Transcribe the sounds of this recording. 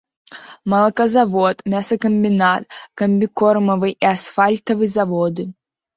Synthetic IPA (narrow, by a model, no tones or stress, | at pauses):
mɐlˠɐkɐzavɔt̪mʲasɐkɐmʲbʲinat̪kɐmʲbʲikɔrmɐvɨʔiasfalʲt̪ɐvɨzavɔd̪ɨ